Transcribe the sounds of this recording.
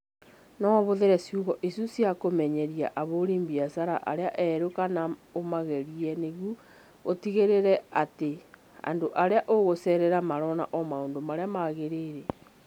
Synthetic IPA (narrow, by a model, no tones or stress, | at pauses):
nɔβoðeɾɛsjuɣɔʔisusjakomɛɲɛɾiaʔaβoɾiːmbiasaɾaʔa̰ɾeaʔɛɾokanaomaɣɛɾiɛneɣu | otiɣeɾeɾɛate | a̰ndoʔaɾeaʔoɣosɛɾɛɾamaɾɔna̰ʔɔmaoːndomaɾeamaɣeɾeɾɛ